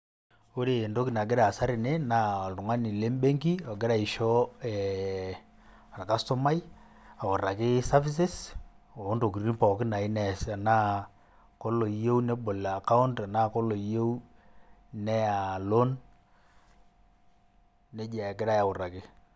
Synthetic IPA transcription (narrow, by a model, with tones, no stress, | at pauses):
o˦ɾe˨ndo˦ki˨na˨ɡɪ˦ɾa˨sa˦ɾɪ˨ne˦na˦ɔ˨ltʊ˨ŋa˦nɪ˨le˦mbe˦ŋɡi˦ɔ˨ɡɪ˦ɾa˦˨ɪ˨ʃɔ˦ɛ˨ | ɾa˨ka˦sto˦ma˦j | a˨ʊ˨ra˨kɪ˦sa˦fi˦s̬ɪ˦s | o˨˦ndo˨k̬i˨ɾi˦pɔ˨kɪ˦na˨ɪ˦nɛ˨sa˨na˦ | ko˦lo˨je˦wne˦bo˨la˨ka˦ʊ˦nta˨na˦ko˦lo˨je˦u˦ | nɛ˦a˨lo˦n | e˦d͡ʒa˨ɡɪ˦ɾa˦ja˨ʊ˨ra˨kɪ˦